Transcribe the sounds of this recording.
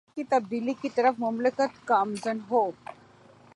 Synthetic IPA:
kiːt̪ɐb̚d̪ilikit̪əɾəfmʊmləkət̪kaːmzənɦo

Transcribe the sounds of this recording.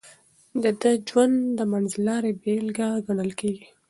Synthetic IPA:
d̪əd̪əd͡ʒwand̪d̪əmanzlɑɾebelɡaɡaɳəlkeɡi

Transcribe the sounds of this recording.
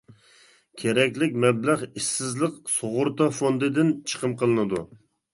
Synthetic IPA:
kʲʰeɾɛkʲlɪk̚ʲmɛblæʁiʃsɪzlˠəqsoʁʊɾt̪ɑfond̪ɨd̪ɪnt͡ʃʰə̥qʰəmqəlˠɨnɨd̪u

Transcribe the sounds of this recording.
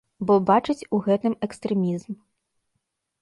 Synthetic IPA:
bɔbat͡ʂɨt͡sʲuɣɛt̪ɨmɛkst̪ɾɛmʲizm

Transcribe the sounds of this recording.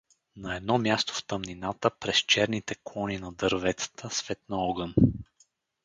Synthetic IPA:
nɐɛd̪nɔmʲjast̪o̥ft̪əmninat̪əpɾɛst͡ʃɛɾnit̪ɛkˠɔninɐd̪əɾvɛt̪sə̥t̪ʰəsvɛt̪nəɔɡən

